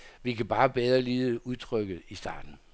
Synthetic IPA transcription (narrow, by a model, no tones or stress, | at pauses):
ʋikʰæb̥ɑ̈ːb̥eðˠʁɐliːð̩ˠəuðˠt͡sʰʁœɡ̥ð̩ˠisd̥ɑ̰̈ːd̥n̩